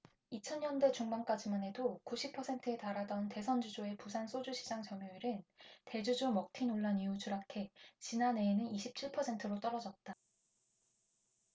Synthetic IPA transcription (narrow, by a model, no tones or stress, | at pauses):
it͡ɕʰʌnːʌnde̞t͡ɕuŋmank͈ad͡ʑimanɦe̞dokuɕʰipʰʌsʰe̞ntʰɯe̞taɾadʌnte̞sʰʌnd͡ʑud͡ʑoe̞pusʰans͈ʰod͡ʑuɕʰid͡ʑaŋt͡ɕʌmjoiɾɯnte̞d͡ʑud͡ʑomʌk̚tʰinoɭːaniut͡ɕuɾakʰe̞t͡ɕinane̞ːnɯniɕʰip̚t͡ɕʰiɭpʰʌsʰe̞ntʰɯɾot͈ʌɾʌd͡ʑʌt̚t͈a